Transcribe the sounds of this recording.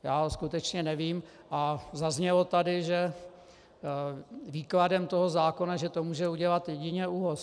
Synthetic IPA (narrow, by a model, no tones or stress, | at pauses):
jaːskut̪ɛt͡ʃɲɛnɛviːm | ʔazazɲɛlot̪adɪʒɛ | viːkladɛmt̪o̞ɦozaːko̞naʒɛt̪o̞muːʒɛuɟɛlat̪jɛɟɪɲɛuɦos